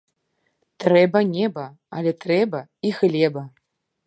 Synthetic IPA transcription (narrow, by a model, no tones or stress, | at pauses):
t̪rɛbɐnʲɛbɐ | alʲɛt̪rɛbɐixlʲɛbɐ